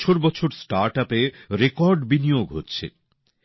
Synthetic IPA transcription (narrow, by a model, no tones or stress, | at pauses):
t͡ɕʰoɾbɔt͡ɕʰoɾsʈaɾʈapeɾekɔɾɖbinijoɡɦotːɕʰḛ